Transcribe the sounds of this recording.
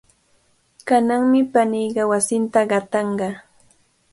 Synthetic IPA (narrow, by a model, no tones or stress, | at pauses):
kanaŋmɪpanijɢɑwasɪnt̪aɢɑt̪ɑɴɢɑ